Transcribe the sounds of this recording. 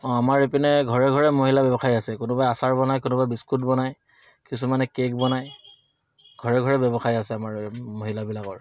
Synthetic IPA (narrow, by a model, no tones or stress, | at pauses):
ɔ̃amaɹepinɛɡʱɔɹɛɡʱɔɹɛmoɦilabɛbɔxʰajiasɛkʊnʊbajasaɹbɔnajkʊnʊbajbiskutbɔnaj | kisumanɛkekbɔnaj | ɡʱɔɹɛɡʱɔɹɛbɛbɔxaiasɛamaɹmoɦilabilakɔɹ